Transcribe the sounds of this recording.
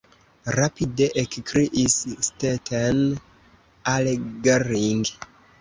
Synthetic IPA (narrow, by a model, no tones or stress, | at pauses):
rapideʔekkɾiʔisːtetʰen | aleɡeriŋɡ